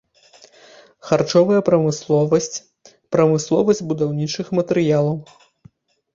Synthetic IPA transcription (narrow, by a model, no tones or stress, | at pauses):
xart͡ʂɔvɐjɐpɾɐmɨslˠɔvɐsʲt͡sʲ | pɾɐmɨslˠɔvɐsʲd͡zʲbud̪awnʲit͡ʂɨxmɐt̪ɛɾɨjalˠɐw